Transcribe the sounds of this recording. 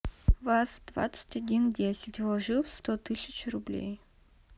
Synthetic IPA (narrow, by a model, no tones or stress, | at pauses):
vasd̪̥va̰t̪sə̥tʲɐdʲindʲesʲɪtʲvɔʐɨfst̪ot̪ɨsʲɪt͡ɕrʊblʲḛj